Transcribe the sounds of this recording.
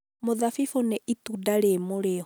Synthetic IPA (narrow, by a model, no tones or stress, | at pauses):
moðafifoneʔitudaɾemoɾeɔ